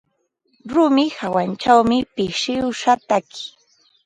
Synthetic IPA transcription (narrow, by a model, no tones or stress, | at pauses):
ɾʊmɪhawant͡ʃawmɪpɪʃɪwʃat̪akɪ̥